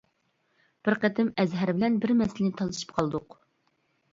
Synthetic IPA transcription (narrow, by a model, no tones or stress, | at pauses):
b̥ɪɾqət̪ʰɪmɛzɦæɾbɪlɛnbɪɾmɛsɪlɪnɪt̪ʰɑlˠɨʃɨ̥p̚qʰɑlˠd̪ʊq